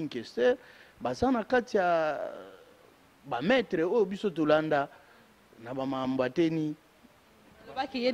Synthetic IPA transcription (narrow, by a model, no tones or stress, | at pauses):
ŋkesɛbazanakatija | bamɛtʁeojobisot̬olanda | nabamamboateni | k